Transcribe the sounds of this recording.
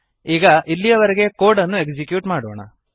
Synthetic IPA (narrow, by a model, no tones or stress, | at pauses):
iːɡɐʔilːijɐʋɐɾeɡe̞koːɖɐnːuekd͡ʒikjuːʈmaːɽoːɳɐ̰